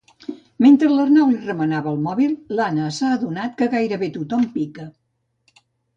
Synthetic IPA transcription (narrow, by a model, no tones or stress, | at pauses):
ment̪ɾələrnawlirəmənaβəːlˠmɔβilˠlanəsaəðunat̪kəɣajɾəβet̪ut̪ɔmpikə